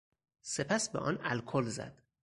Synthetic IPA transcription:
se̞pʰæsbeʔɒ̰ːnælkʰolzæ̰d̪̥

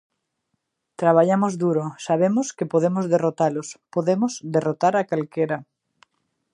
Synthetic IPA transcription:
t̪ɾaβaʎamozðuɾosaβ̞emʊskɪpoðemozðerot̪alospoðemʊzd̪erot̪aɾakalkeɾɐ

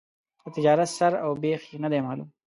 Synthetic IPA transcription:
ət̪ɪd͡ʒɑːɾɐt̪sɐɾawbeːxinɐd̪eːmaːlṵm

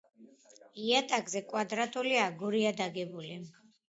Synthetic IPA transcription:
iat̪ʼakʼzɛkʼwad̪ɾat̪ʼuliaːɡɔɾiad̪aɡɛbuli

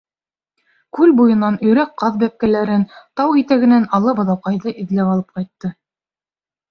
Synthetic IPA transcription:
kʉlbujɤ̆nɑnɵ̆jɾæqqːɑðbæp̚kælæɾɘnt̪ɑwit̪æɡɘ̆nænɑlˠɤbɤ̆ðˠɑwqɑjðɤʔĭðlæpɑlˠɤp̚qɑjt̪ːɤ

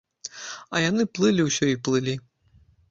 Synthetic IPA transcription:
ɐjanɨplˠɨlʲiwsʲɔiplˠɨlʲi

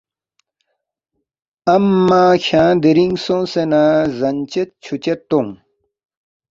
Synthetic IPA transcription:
ɐmːaːɕʰãːd̪iɾiŋɡsõːsenaːzɐnt͡ɕet̪̚t͡ɕʰut͡ɕet̪ːõŋ

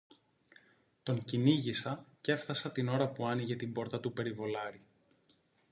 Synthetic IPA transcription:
t̪o̞ŋciniʝisɐce̞fθɐsɐt̪ino̞ɾɐpuɐniʝe̞t̪imbo̞ɾt̪ɐt̪upe̞ɾivo̞lɐɾi

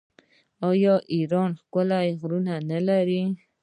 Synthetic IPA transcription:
ojoʔiɾonχkʷalajχɾunanəlaɾi

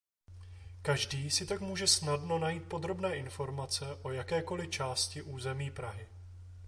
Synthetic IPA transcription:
kaʒdiːsɪt̪akmuːʒɛsnadno̞najiːt̪̚po̞d̪ɾo̞bnɛːʔɪnfo̞ɾmat͡sɛʔo̞jakɛːko̞lɪt͡ʃaːscɪʔuːzɛmiːpɾaɦɪ

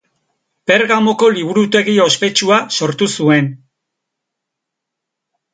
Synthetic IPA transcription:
pe̞ɾɣamo̞ko̞liβ̞uɾut̪e̞ɣio̞spe̞t͡ʃuaso̞ɾt̪usue̞n

